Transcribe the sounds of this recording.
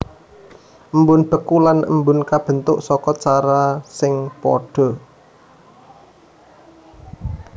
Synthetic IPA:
ʔəmbʊnb̥ə̤kulanʔə̰mbʊnkab̥ə̤nt̪ʊʔsɔkɔt͡ʃaɾasɪŋpɔ̰ɖ̥ɔ̤

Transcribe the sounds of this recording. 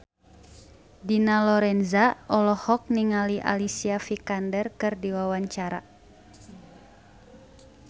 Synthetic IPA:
dinalɔɾɛnzaɔlɔhɔk̚niŋaliʔa̰lisiafikandɛrkɨrdiwawaɲt͡ʃaɾa̰

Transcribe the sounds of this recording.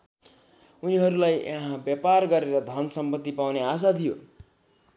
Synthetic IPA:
uniɦʌɾulajeɦãbjaparɡʌɾeɾʌd̪ʱʌnsʌmpʌt̪ːipawneas̬at̪ʰijo

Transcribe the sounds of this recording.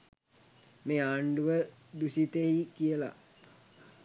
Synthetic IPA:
meːaːɳɖuʋəd̪usit̪eikijəla̰

